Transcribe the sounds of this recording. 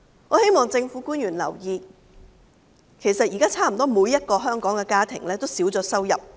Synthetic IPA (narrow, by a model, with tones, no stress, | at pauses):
ŋɔː˨˧he˥jmɔː˨˩ŋt͡sɪ˧ŋfuː˨˥kuː˥njyː˨˩nlɐ̰˨˩wjiː˧ | kʰe˨˩jsɐ˨t̚jiː˨˩kaː˥t͡sʰaː˥m̩˨˩t̪ɔː˥muː˨˧jɐ˥t̚kɔː˧ɦœː˥ŋkɔː˨˥ŋkɛː˧kaː˥t̪ʰɪ̰˨˩ŋlɛː˥t̪o˥wsiː˨˥wt͡sɔː˨˧sɐ˥wjɐ˨p̚